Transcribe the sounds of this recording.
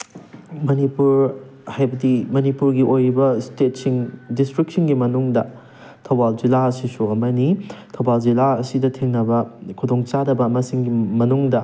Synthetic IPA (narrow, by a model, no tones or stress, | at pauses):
mɐnipuɾhajbɐdimɐnipuɾɡiʔojɾibɐstet̚siŋdistɾik̚siŋɡimɐnuŋdɐ | tʰɐwbald͡ʒilaɐsisuɐmɐnitʰɐwbald͡ʒilaɐsidɐtʰeŋnɐbɐkʰudoŋt͡ʃadɐbɐːmɐsiŋɡimɐnuŋdɐ